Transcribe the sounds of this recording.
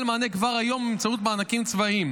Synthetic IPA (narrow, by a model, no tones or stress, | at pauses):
lmaːnekvaʁajo̞mimt͡saut̪̚beanakimt͡svaim